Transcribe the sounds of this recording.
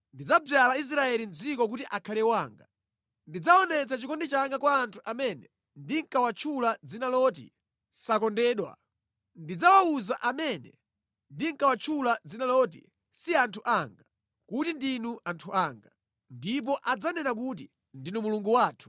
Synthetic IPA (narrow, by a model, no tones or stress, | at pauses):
ndid͡zab͡ʐjalais̬ɾaɛlind͡zikɔkutiʔakʰalɛwaːŋɡa | ndid͡zaɔnɛt͡sat͡ʃikɔndɛt͡ʃaŋɡakwaːntʰu̥ʔamɛnɛ | ndiŋ̩kawat͡ʃʰulad͡zinalɔt̬ḭ | sakɔndɛɗwa̰ | ndid͡zawauzaʔamɛnɛ̰ | ndiŋkawat͡ʃʰulad͡zinalɔt̬ḭ | siantʰuʔaŋɡa | kutindinuʔantʰuaːŋɡa | ndip̬ɔʔad͡zanɛnakut̬i | ndinumuluŋɡuwaːtʰu̥